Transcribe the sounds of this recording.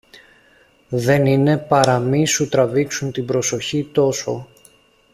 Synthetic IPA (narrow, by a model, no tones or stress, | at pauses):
ðe̞nine̞pɐɾɐmisut̪ɾɐviksunt̪ibɾo̞so̞çit̪o̞so̞